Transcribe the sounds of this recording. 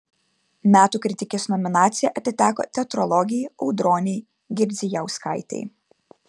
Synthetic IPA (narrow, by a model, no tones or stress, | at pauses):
mʲæːt̪uːkɾʲɪt̪ʲɪkʲeːsnɔmʲɪnɑːt̪sʲɪjɛʔɐt̪ʲɪt̪ʲæːko̰ːt̪ʲɛɐt̪ɾɔlˠɔɡʲɪjʔɔʊd̪ɾoːnʲɛɪ | ɡʲɪɾʲd̪zʲɪjɛʊskɐɪt̪ʲɛ̰ɪ